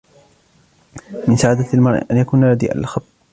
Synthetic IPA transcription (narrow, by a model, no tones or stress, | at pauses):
mɪnsaʕaːd̪almɑɾˤʔʔanjakuːnalad̪ḭːʔa̰lxab